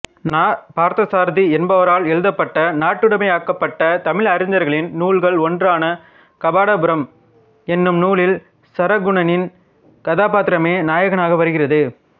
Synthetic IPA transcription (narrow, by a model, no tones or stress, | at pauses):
napaːɾt̪ɐsaːɾðiɛnbɐʋɐɾaːlɛɻɯðɐpːɐʈːɐnaːʈːɯɽɐmɐɪaːkːɐpːɐʈːɐt̪ɐmɪɭɐɾɪnd̪ɐɾɣɐɭɪnnuːɭɣɐɭɔndraːnɐ | kɐbaːɽɐbɯɾɐm | ɛnːɯmnuːɭɪl | sɐɾɐɡʊɳɐnɪn | kɐðaːpaːt̪ːɪɾɐmeːnaːjɐɣɐnaːɣɐʋɐɾɯɣɪrɐðɯ